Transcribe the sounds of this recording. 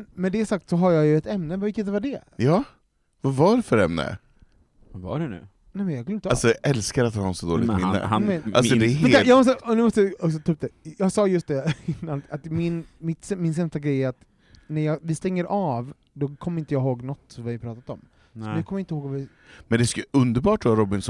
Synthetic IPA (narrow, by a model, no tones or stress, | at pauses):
nmɛnd̪ɛːsak̚t̪sɔɦaɾjɑːjɵɛt̪ɛmnəvɪkːət̪̚d̪ɛvaɖɛjɑː | vavaɖɛfœɾɛ̰mnə̰ | va̰ɖɛnʉ̰ | nɛjmɛnjɑɡʰʏlːɪnt̪ːalsɔʔɛlskaɾat̪hɑ̰ːɛnsɔd̪o̰ːlɪ̰ɡ̪mɪnːə̰mɛa̰lsɔd̪ɛmhɛajɑːmɔst̪əɔnʉ̟mɔst̪əd̪ɔksɔt̪ʰʉːp̚d̪ɛjɑːɡsɑːjɵst̪̚d̪ɛɪnːanat̪mɪnmɪt̪sɛmɪns̬ɛmst̪aɡɾɛjːɾat̪ | næɾjɑːɡvɪst̪ɛŋːəɾʔɑv | d̪ɔkʰɔmːəɾɪnt̪əjɑːɡɦoːɡnɔt̪ːsɔmvɪaɾpʰɾɑːt̪at̪ɔm | ɔd̪ʉkʰɔmːəjaɪnt̪əhoːɡvavɪ | mɛnd̪ɛskɵnd̪əɾbɑːʈaːɾɔbɪnsɔ